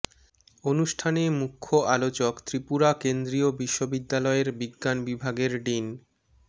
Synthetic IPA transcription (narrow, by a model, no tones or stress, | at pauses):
onuʃʈʰanemukʰːoʔalot͡ɕokt̪ɾipuɾakend̪ɾiobiʃːobid̪ːalɔeɾbiɡːanbibʱaɡeɾɖin